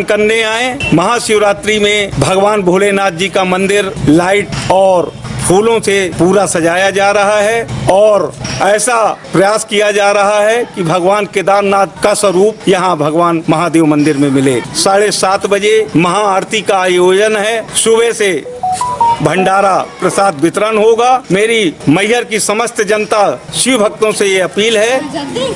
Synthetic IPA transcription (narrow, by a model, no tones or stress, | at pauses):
kɐɾneaːẽmɐɦasjɾaːt̪ɾimẽbʱɐɡʋaːnbʱoːlenaːd̪̚d͡ʒikamɐ̃nd̪ɪɾlaːɪʈɔːɾpʰuːlõsepuːɾasɐd͡ʒaːjad͡ʒaːɾɐɦaɦɛɔːɾɛːsapɾɐjaːskijad͡ʒaːɾɐɦaɦɛkibʱɐɡʋaːnked̪aːmnaːd̪̚kasəɾuːp̚jɐɦãbʱɐɡʋaːnmɐɦad̪eːʋmɐ̃nd̪ɪɾmẽmɪleːsaːɽesaːt̪ʰbəd͡ʒemɐɦaaːɾt̪ʰikaːjoːd͡ʒənɦɛsʊbɛse | bʱə̃ɳɖaːɾapɾəsaːd̪bɪt̪ɾənɦoɡameːɾiməɪɦəɾkisɐməst̪ʰəd͡ʒənt̪aʃɪbʱək̚t̪õsejeɐpiːlɦɛː